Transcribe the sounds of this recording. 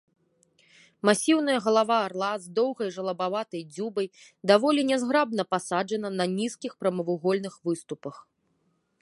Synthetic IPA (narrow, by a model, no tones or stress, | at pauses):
masʲiwn̪ɐjɐɣɐlˠavaːrlˠazd̪ɔwɣɐjʐɐlˠɐbavat̪ɐjd͡zʲubɐj | d̪avɔlʲinʲɛzɣɾab̚nɐpasad͡ʐɐnɐnɐnʲiskʲixpɾɐmɐvuɣɔlʲnɨxvɨst̪upɐx